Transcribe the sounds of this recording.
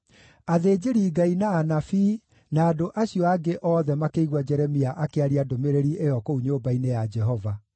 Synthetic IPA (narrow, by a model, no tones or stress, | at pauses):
aðeːd͡ʑeɾiːɡainaːnafiː | naːdoʔaɕiɔaɡeʔɔːðɛmakeiɣwad͡ʒɛɾɛmiaʔakeaɾiadomeɾeɾiʔejɔkouɲoːbainejad͡ʒɛɦɔva